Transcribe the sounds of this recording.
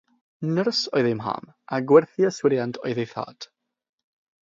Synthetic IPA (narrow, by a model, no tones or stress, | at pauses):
nərsɔɨðɪmɦa̰m | aɡwɛrθiəswɪɾjantʰɔ̰ɨðejθa̰ːd̥